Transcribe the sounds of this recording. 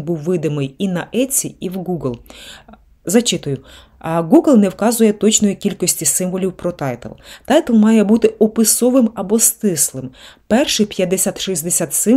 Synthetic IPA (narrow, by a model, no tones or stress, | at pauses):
buwːɪd̪ɪmɪjinɐʔɛt͡sʲiiwɡuɡlˠ | zɐt͡ʃɪt̪ʊjʊ | ɡuɡlˠnɛwkɑzʊjɛt̪ɔt͡ʃnɔjikʲilʲkɔsʲtʲisɪmʋɔlʲiwpɾɔt̪ɑjt̪ɪ̰lˠt̪ɑjt̪elˠmɑjɛbut̪ɪɔpɪsɔʋɪmɐbɔst̪ɪslˠɪmpɛrʃɪpʲjɐd̪ːesʲat̪ʃizʲd̪esʲat̪sɪ